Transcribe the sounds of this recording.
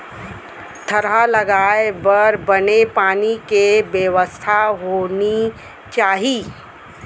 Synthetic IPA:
t̪ʰəɾɦalɐɡaːebɐɾbənepaːnikebjeʋəst̪ʰaɦoːni | t͡ʃaːɦi

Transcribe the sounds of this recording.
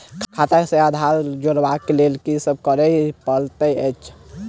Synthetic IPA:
kʰat̪asẽad̪ʱaɾd͡ʒoɾbakelelkisəb̚kəɾəpəlt̪əət͡ʃʰ

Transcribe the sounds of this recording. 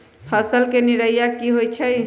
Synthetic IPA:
həsəlkeniɾəjakiɦojt͡ʃʰəj

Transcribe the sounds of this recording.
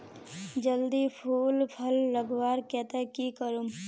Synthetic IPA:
d͡ʒəld̪ipʰuːlpʰəlːəɡwaːɾkɛːt̪əkikəɾum

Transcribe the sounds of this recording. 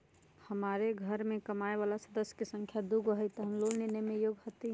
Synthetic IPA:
həmaɾeɡʱəɾmekəmaeβalasəd̪əsjə̥kesə̃ŋkʰjad̪uɡəɦəjt̪ɔɦəmlolninemejoɡɦot̪i

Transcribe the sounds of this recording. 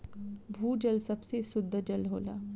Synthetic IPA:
bʱuːd͡ʒɐlsɐbsesʊd̪ʱːəd͡ʒɐlɦo̰ːla̰ː

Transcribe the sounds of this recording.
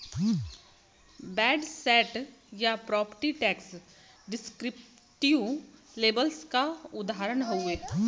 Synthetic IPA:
bɛːɖsɛːʈjapɾɔːpəɾʈiʈɛːks | ɖɪskɾɪp̚ | ʈijũleːbəlskaʊd̪aːɾəɳɦoeː

